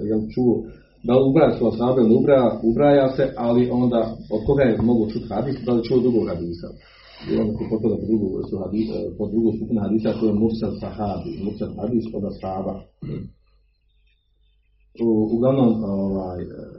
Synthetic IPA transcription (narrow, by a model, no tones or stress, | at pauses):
jelt͡ʃuo | d̪aliubɾaːjaːsoashaːbajond̪ubɾaːjaubɾaːjaːse̞ʔaliʔond̪aːod̪̚kʰo̞ɡaːjemo̞ɡot͡ʃut̪had̪iːsd̪aljet͡ʃuod̪ɾuɡoɡhad̪iːsa̰ | ḭonakopopod̪at̪od̪ɾuɡosuhad̪iːpod̪ɾuɡoːst̪upinahad̪iːsakooemuɾsalsahaːbḭmuɾsalhad̪iːsod̪ashaːba | uɡlˠaʋnoːmoʋaːj